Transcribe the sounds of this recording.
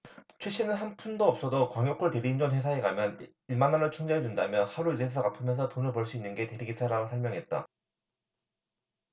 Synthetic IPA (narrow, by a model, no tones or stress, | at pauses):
t͡ɕʰwe̞ɕ͈inɯnɦanpʰundoʌp̚s͈ʌdokwaŋjok͈ʰːɯɭte̞ɾiind͡ʑʌnɸwe̞sʰaeɡamjʌn | iɭmanaɾɯɭt͡ɕʰuŋd͡ʑeɦed͡ʑundamjʌnhaɾuiɾesʰʌkapʰɯmjʌnsʰʌtonɯɭpʌɭs͈uinːɯnɡe̞te̞ɾiɡisʰaɾaɡosʰʌɭmʲjʌŋɦe̞t̚t͈a̰